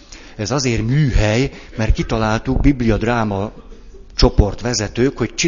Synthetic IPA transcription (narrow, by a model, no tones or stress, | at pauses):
ɛzɒzeːrmyːɦɛjmɛrt̪̚kit̪ɒlaːlt̪uɡ̚biblijɒd̪raːmɒ | t͡ʃo̞po̞rt̪ʋɛzɛt̪øːkho̞ct͡ʃi